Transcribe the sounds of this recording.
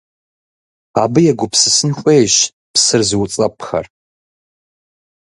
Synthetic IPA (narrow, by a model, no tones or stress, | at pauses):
abɨjaɡʷʊpʰsɨsɨnxʷʼejʃ | pʰsɨrzwut͡sʼɐpʰxa̰r